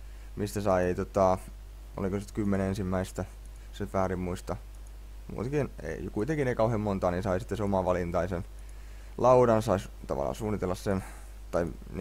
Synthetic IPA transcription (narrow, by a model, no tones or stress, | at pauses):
mist̪æsɑieit̪ot̪ɑˑ | o̰likosit̪kymːenensimːæist̪æ | setʋæːrimmuist̪ɑ | mṵːt̪kinḛikuit̪eŋkineikɑuhemmont̪ɑːninsɑisi̥t̪ːeseomɑʋɑlint̪ɑisen | lʔɑuɾɑnsɑis | t̪ɑ̰ʋɑ̰lːˑɑ̰nsuːnːit̪elːɑssen | t̪ɑi | n